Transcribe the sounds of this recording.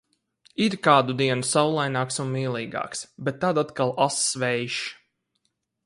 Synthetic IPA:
iɾkaːd̪ud̪iɛnusawlˠajnɑːksunmiːlˠiːɡɑ̰ːksbet̪ːad̪at̪kalˠasvɛjʃ

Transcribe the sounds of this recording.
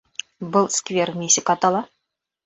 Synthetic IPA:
bɨlˠskvʲermʲesʲɪkɑt̪ɑlˠɑ

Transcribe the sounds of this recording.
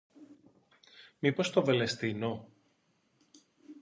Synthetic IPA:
mipo̞st̪ovelest̪ino

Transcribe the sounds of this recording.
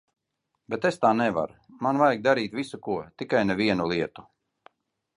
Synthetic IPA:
bet̪est̪aːnɛva̰ɾ | manvajɡ̚d̪aɾiːt̪visukuɔt̪ikajnɛviɛnulˠiɛt̪u

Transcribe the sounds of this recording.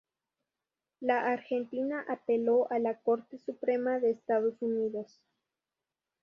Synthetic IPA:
laʔaɾxe̞nt̪inaʔapelo̞ʔalako̞ɾt̪esupɾe̞maðeːst̪aðo̞suniðo̞s

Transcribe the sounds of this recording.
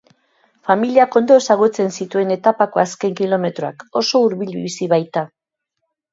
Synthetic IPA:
familiako̞nd̪o̞e̞saɣ̞ut͡se̞nsit̪ue̞ne̞t̪apako̞aske̞ŋkilo̞me̞t̪ɾoako̞so̞uɾβiʎβiisiβajt̪a

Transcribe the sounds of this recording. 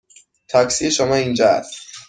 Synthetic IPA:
t̪ʰɒksieʃomɒːiːnd͡ʒɒːæ̰st̪

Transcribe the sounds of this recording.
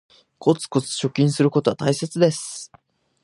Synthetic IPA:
ko̞t͡sɨ̥ko̞t͡sɨ̥ɕo̞kʲĩɰ̃sɨɾɯ̟ko̞t̪o̞at̪aise̞t͡sɨd̪e̞sɨ̥

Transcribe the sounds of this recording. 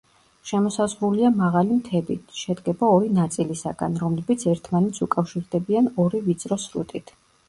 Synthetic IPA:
ʃɛmɔsazʁɾuliamaʁalimt̪ʰɛbḭt̪ʰʃɛd̪ɡɛbaɔɾinat̪sʼilisaɡa̰nɾɔmlɛbit̪sʰɛɾt̪ʰmanɛt̪sʰukʼafʃiɾd̪ɛbianɔɾivit̪sʼɾɔsɾṵt̪ʼit̪ʰ

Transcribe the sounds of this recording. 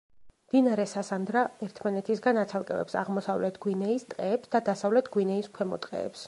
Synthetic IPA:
md̪̥inaɾɛsasand̪ɾaɛɾt̪ʰmanɛt̪ʰisɡanat̪sʰalˠkʼɛ̰vɛ̰psa̰ʁmɔsavlɛt̪ʰɡwinɛist̪ʼqʼɛːpsd̪ad̪asavlɛt̪ʰɡwinɛiskʰwɛmɔ̰t̪ʼqʼɛ̰ːps

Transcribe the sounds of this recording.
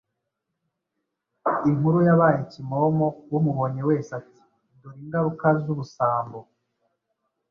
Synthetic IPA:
iŋ̥huɾujaβaːjecimo̞mowumuβoɲewe̞ːsati̥ | ndoɾiŋɡaɾukazuβusaːmbo

